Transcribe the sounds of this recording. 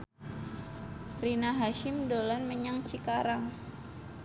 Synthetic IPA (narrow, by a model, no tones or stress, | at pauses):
rinaɦaʃɪmdolanməɲaŋt͡ʃikaɾaŋ